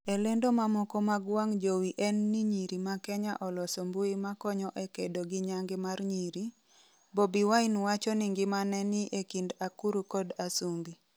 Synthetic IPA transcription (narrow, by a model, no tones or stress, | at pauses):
elendomamɔkɔmaɡwaŋd͡ʒowiʔɛnːiɲiɾimakɛɲaʔɔlɔsombuimakɔɲɔʔekedoɡiɲaŋɡɪmarɲiɾi | bobiwainwat͡ʃɔniŋɡɪmanɛniʔekindakuɾukɔdasuŋɡi